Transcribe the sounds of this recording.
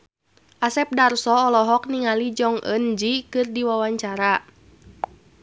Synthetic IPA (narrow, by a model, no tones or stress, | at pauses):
ʔasɛp̚darsɔːlɔɦɔk̚niŋalid͡ʒɔŋʔə̰nd͡ʒikɨrdiwawaɲt͡ʃaɾa